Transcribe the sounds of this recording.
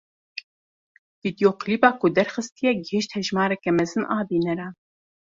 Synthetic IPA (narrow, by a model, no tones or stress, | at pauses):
v̥id̪joːqʰliːbɑːkʊd̪ɛɾxɨst̪ijɛɡəhiʃt̪hɛʒmɑːɾɛkɛmɛzɨnʔɑːbiːnɛɾɑː